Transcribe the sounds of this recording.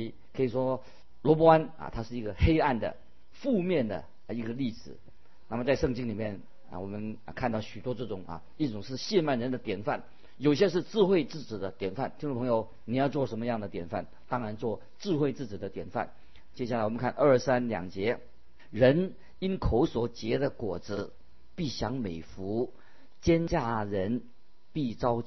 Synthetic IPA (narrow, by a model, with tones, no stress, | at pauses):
i˧˩ | kʰɤ˧˥i˨˩ʂwɔ˥ | lwɔ˧˥p̬ɔ˥a˥nɐ̰˨t̪ʰa˥ʂɻ̩˥˩i˧˥ɡə˧xe˥ɪa˥˩nd̪ə̰˩ | fu˥˧mjɛ˥˩nd̪ə̰˩ | i˧˥ɡə˧li˥˩ʂɹ̩˨˩˦ | na˥˩mə˩t͡sa˥˧ɪʂɤ˥˧ŋt͡ɕi˥ŋli˨˩mjɛ˥˩n̰˩ | wɔ˨˩mə˦n˧kʰa˥˧nt̪ɑ˥˩ʊɕy˨˩t̪wɔ˥ʈ͡ʂɤ˥˩ʈ͡ʂʊ˨˩ŋɐ̰˨ | i˥˩ʈ͡ʂʊ˨˩ŋʂɻ̩˥˧ɕjɛ˥˧nma˥˩nɻə˧˥nd̪ə˨t̪jɛ˨˩nfa˥˩n | jo˨˩ʊɕjɛ˥ʂ̬ɻ̩˥˧ʈ͡ʂɹ̩˥˧xwe˥˧ɪt͡sɹ̩˥˩ʈ͡ʂɹ̩˨˩d̪ə˦t̪jɛ˨˩nfa˥˩nt̪ʰi˥ŋ˥˩pʰŋjo˧ʊ | ni˨˩jɑ˥˧ʊt͡swɔ˥˩ʂə˧˥nmə˧jɑ˥˩ŋd̪ə˩t̪jɛ˨˩nfa˥˩n | t̪ɑ˥ŋɻa˧˥nt͡swɔ˥˩ | ʈ͡ʂɹ̩˥˧xwe˥˧ɪt͡sɹ̩˥˩t͡ɕi˨˩d̪ə˦t̪jɛ˨˩nfa̰˥˩n | t͡ɕjɛ˥ɕja˥˩a˨˩wɔ˨˩mə˦ŋkʰa˥˧nʔə˞˥˩sa˥nljɑ̰˨˩ŋt͡ɕjɛ˧˥ | ɻə˧˥n | i˥nkʰo˧˥ʊswɔ˨˩t͡ɕjɛ˧˥d̪ə˧˨kwɔ˨˩d͡zɹ̩˧˥ | pi˥˩ɕjɑ˧˥ŋme˨˩ɪfu˧˥ | t͡ɕjɛ˥nt͡ɕja˥˩ɻə˧˥n | pi˥˩t͡sɑ˥ʊ